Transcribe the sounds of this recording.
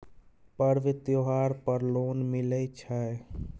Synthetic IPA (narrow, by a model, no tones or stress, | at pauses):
pəɾʋit̪joɦaɾpəɾlonmiləjt͡ʃʰaj